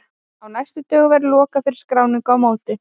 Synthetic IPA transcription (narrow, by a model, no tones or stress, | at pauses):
awnajst̪ʏt̪œːɣʏvɛɾlɔːkafɪɾɪ̥skɾawnɪkɔwmaːwt̪ɪ